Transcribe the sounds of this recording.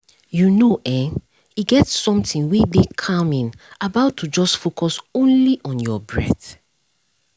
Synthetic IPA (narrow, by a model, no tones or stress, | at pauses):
junoʔɛ̃ | iɡɛtsɔ̃mtĩnwedekʰamĩn | abaʊtʰːud͡ʒɔsfokʰɔsõnliʔɔ̃njɔbɹɛθ